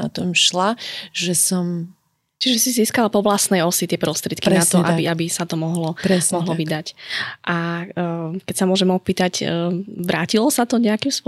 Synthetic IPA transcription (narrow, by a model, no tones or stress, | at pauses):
a̰t̪ɔmʃlaʒɛsɔm | t͡ʃiʒɛsiziːskalapɔʋlasnɛjɔsit̪ɪɛpɾɔst̪ɾɪɛt̪̚kinat̪ɔʔabiʔabisat̪ɔmɔɦlɔɾɛmɔɦlɔʋid̪acʔa | kɛcsamʊɔʒɛmɔpiːt̪acːʋɾaːcilɔsat̪ɔɲɛakimspʊ